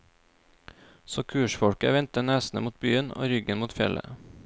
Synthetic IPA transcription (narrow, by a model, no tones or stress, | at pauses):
soːkʰʉːʃfɔɽkə̰ʋɛnt̪ənæːsn̩əmuːt̪̚byːəno̰ːɾʏɡənmuːt̪fjɛlʔə̰